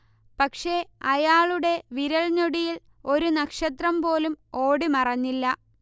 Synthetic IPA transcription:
pɐkʂe̞ɐjaːɭuɽe̞ʋiɾɐɭɲoɽijil | o̞ɾunɐkʂɐt̪rɐmpo̞ːlumo̞ːɽimɐrɐɲːilːɐ

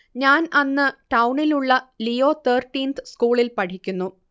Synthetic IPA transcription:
ɲaːnɐnːɨʈɐwɳiluɭːɐlijo̞ːt̪ʰeːrʈːiːnt̪ɨskuːɭilpɐʈʰikʲːunːu

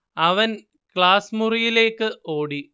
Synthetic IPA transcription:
ɐʋɐn | kɭaːsmurijile̞ːkːɨʔoːɽi

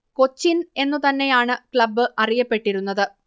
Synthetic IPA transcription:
ko̞t͡ɕːine̞nːut̪ɐnːe̞jaːɳɨkɭɐbːɨʔɐrijɐpːe̞ʈːiɾunːɐðɨ

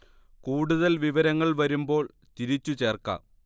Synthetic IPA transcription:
kuːɽuðɐlʋiʋɐɾɐŋːɐɭʋɐɾumbo̞ːɭ | t̪iɾit͡ɕːut͡ɕe̞ːrkɐ̰

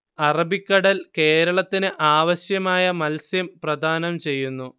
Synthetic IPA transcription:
ɐrɐbikːɐɽɐlke̞ːɾɐɭɐt̪ːinɨʔaːʋɐɕjɐmaːjɐmɐlsjɐmprɐd̪ʱaːnɐmt͡ɕe̞jːunːu

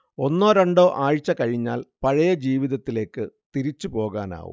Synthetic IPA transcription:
o̞nːoːɾɐɳɖo̞ːʔaːɻt͡ɕːɐkɐɻiɲːa̰ːlpɐɻɐjɐd͡ʑiːʋiðɐt̪ːile̞ːkːɨt̪iɾit͡ɕːupo̞ːɣaːna̰ːʋwṵ

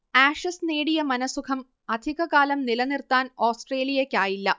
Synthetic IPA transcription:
aːʂɐsneːɽijɐmɐnɐsukʰɐm | ɐd̪ʱiɣɐɣaːlɐmnilɐnirt̪ːaːno̞ːsʈre̞ːlijɐkʲːaːjilːɐ

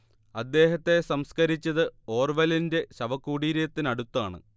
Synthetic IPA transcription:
ɐd̪ːe̞ːɦɐt̪ːe̞sɐmskɐɾit͡ɕːɐðɨo̞ːrʋɐlinde̞ɕɐʋɐkːuːɽiːɾjɐt̪ːinɐɽut̪ːaːɳɨ̰

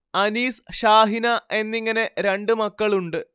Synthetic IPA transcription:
ɐniːsʂaːɦinɐe̞nːiŋːɐne̞ɾe̞ɳɖɨmɐkːɐɭuɳɖɨ

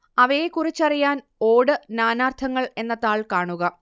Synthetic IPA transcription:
ɐʋɐjekurit͡ɕːɐrijaːn | o̞ːɽɨnaːnaːrt̪ʰɐŋːɐɭe̞nːɐt̪aːɭkaːɳuɣɐ

